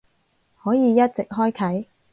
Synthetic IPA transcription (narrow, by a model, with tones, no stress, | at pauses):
hɔː˨˥jiː˨˧jɐ˥t̚t͡sɪ˨k̚ɦɔː˥jkʰɐ˨˥j